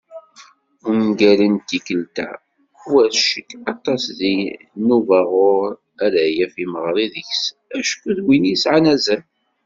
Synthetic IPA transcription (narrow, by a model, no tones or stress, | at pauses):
ʊɡælənt̪ːikəlt̪æ̰ | wæɾʃəkːɑt̪ˤːɑsði | nuvaʁʊɾɾ | æðæjæfiməʁɾˤiðəçs | æʃkəðwinisʕanæzən